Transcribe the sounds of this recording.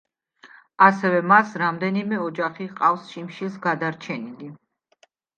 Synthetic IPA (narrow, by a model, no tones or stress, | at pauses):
asɛvɛmasɾamd̪ɛnimɛɔd͡ʒaχiqʼafsʃimʃisɡad̪aɾt͡ʃʰɛnili